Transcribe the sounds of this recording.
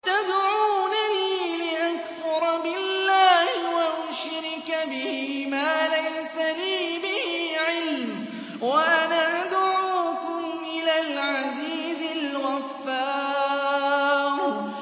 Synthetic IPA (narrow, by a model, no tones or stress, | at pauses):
t̪ad̪ʕuːnaniːlɪʔakfʊɾˤbɪlːaːhɪwaʔʊnʃɾɪkabɪhmaːlajsaniːbɪhiːʕɪlm | waʔanaʔad̪ʕuːkʊmʔɪlaːlʕaziːzɪlɣafːaː | ɾ